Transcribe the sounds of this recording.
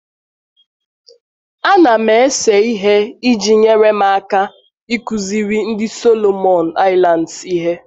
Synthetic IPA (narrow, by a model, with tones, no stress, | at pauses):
a˦na˨me˨e˦se˨i˦ɦe˦i˦d͡ʒi˨ɲe˦ɾe˦ma˦a˦ka˦ | i˦ku˨zi˦ɾi˦n̩˦dɪ˦so˦lo˨mɔ˨n̩˨a˦ɪ˦la˨n̩˨si˦ɦe˦